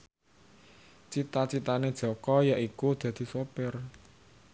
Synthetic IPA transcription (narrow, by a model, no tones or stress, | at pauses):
t͡ʃit̪at͡ʃit̪aned̥ʒ̥ɔ̤kɔjaʔikud̪̥ä̤d̪̥i̤sopɪr